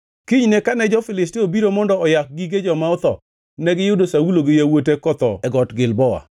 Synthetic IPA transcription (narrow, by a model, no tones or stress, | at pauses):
kiɲnekanɛd͡ʒɔfɪlɪstɪobiɾomɔndɔɔjak̚ɡiɡed͡ʒɔmaʊt̪ɔ | nɛɡɪjʊdosauloɡɪjawotekɔt̪ɔ̰ɛɡɔtɡɪlbɔwa̰